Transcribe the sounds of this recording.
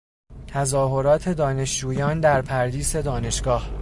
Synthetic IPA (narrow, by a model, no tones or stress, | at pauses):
t̪ʰæzɒːɦo̞ɾɒːt̪ʰe̞d̪ɒːne̞ʃd͡ʒuːjɒːnd̪æɾpʰæɾd̪iːse̞d̪ɒːne̞ʃɡ̥ɒːh